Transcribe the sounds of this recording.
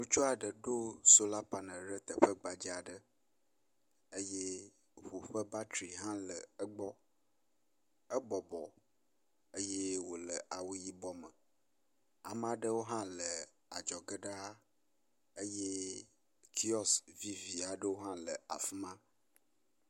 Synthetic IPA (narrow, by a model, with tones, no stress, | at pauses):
nũ˦t͡ʃu˦a˨ɖə˨ɖo˦so˦la˦pa˨nə˨ɖə˦t̪ə˨ɸə˦ɡ͡ba˨d͡ʒi˦a˨ɖə˦ | ə˦je˦ | ɸu˨ɸə˦ba˦t̪ɾi˨ɦã˦lə˨ə˦ɡ͡bɔ˦ | ə˦bɔ˨bɔ˨ | ə˦je˦wo˨lə˨ʔa˨wu˦ji˦bɔ˦mə˨ | a˨m˦a˨ɖə˦wo˦ɦã˦lə˨ | a˨d͡ʒɔ˨ɡə˦ɖa˦ | ə˦je˦ | kʰi˦ɔ˦svi˦vi˨a˨ɖə˦wo˦ɦã˦lə˨a̰˨fi˦mã˦